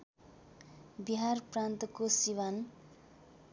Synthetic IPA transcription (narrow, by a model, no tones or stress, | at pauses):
biɦarprant̪ʌkosiwan